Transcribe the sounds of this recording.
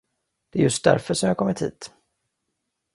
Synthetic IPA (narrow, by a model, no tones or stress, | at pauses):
d̪̥ɛæɾjɵst̪̚d̪æ̰ɾfœʂɔmjɑːɡkʰɔmːət̪hḭːt̪